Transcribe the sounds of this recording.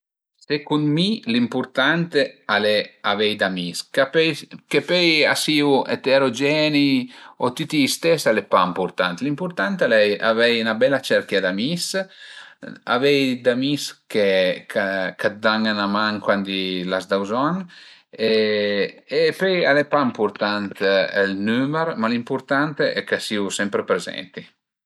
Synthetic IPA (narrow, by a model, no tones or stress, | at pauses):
sekunmilimpuɾt̪ant̪ealeavɛjd̪amiskapɛjkepɛja̰siuḛt̪eɾod͡ʒɛniot̪it̪ist̪ɛsalepampuɾt̪a̰nt̪limpuɾt̪ant̪alɛja̰vɛjnabɛlat͡ʃɛɾkjad̪amis | a̰vɛjd̪amiskekʰakʰat̪̚d̪aŋanamaŋkwand̪ilazd̪awzɔne | epøjalepampuɾt̪ant̪ɛlnyməɾmalimpuɾt̪ant̪eʔɛkasiusɛmpɾepɾezɛ̰nt̪i